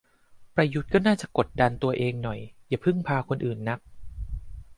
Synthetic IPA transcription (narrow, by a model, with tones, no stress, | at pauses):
pɾa˧ju˦˥t̪̚kɔː˥˩naː˥˩t͡ɕa˨˩ko˨˩t̪̚da˧nt̪u˧ɐʔeː˧ŋnɔ˨˩jjaː˨˩pʰɯ˥˩ŋpʰaː˧kʰo˧nʔɯː˨˩nːa˦˥k̚